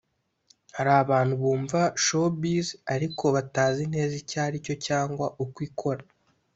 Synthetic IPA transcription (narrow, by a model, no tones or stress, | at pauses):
haɾaːβaːn̥huβuːɱvaʃobizaɾikʰo̞βataːzin̥he̞ːzicaːɾico̞caːŋɡwaʔukwiːkʰo̞ɾa